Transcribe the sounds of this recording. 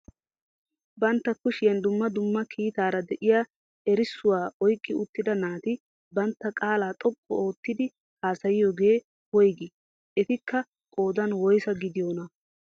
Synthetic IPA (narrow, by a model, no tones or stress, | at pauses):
bɐnt̪ːɐkʊʃɪjɐnd̪ʊmːɐd̪ʊmːɐkʰiːt̪aːɾɐd̪ɛʔɪjaː | ɛɾɪsːʊwaːɔjkʼːɪʊt̪ːɪd̪ɐnaːt̪ɪ | bɐnt̪ːɐkʼaːlaːt̪ʼɔkʼːɔ̰o̞ːt̪ːɪd̪ɪ | haːsɐjɪjɔɡe̞ː | wɔjɡɪ | ʔɛt̪ɪkːɐ | kʼo̞ːd̪ɐnwɔjsɐɡɪd̪ɪjonɐ